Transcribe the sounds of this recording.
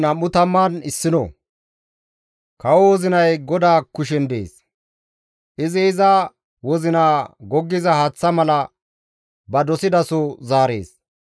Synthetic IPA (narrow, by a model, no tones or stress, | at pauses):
nɐmːʊt̪ɐmːanɪsːɪnɔ̰ | kɐwɔwɔzɪnɐjɡɔd̪aːkʊʃ̬ɛnd̪ḛːs | ʔɪzɪɪzɐ | wɔzɪnaːɡɔɡːɪzɐhaːt͡sːɐmɐlɐ | bɐd̪ɔsɪd̪ɐsɔzaːɾe̞̰ːs